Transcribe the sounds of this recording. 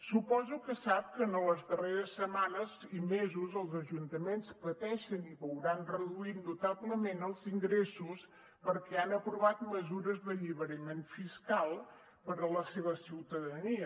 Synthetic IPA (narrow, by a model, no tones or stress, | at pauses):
supɔzukəsap̚kənələzðəreɾəsːəmanəzimezuzəlˠzəʒunt̪əmenspət̪ɛʃəniβəwɾanrəðuit̪nːut̪aβləmenəlˠziŋɡɾesus | pəɾkɛanəpɾuβat̪məzuɾəzðəʎiβəɾəmenfiskalˠ | pəɾələseβəsiwt̪əðəniə